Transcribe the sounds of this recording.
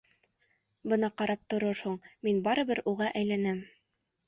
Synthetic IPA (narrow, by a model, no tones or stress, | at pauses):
bɤnɑqɑɾɑp̚t̪ŏɾoɾhuɴminbɑɾɤ̆bɘɾuʁɑʔæjlænɘm